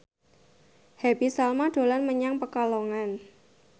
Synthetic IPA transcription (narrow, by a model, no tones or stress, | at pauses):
hɛbisalmad̥o̤lanməɲaŋpəkaloŋan